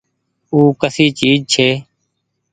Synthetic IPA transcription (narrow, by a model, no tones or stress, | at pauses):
uːkəsiːt͡ʃiːd͡ʒt͡ʃʰeː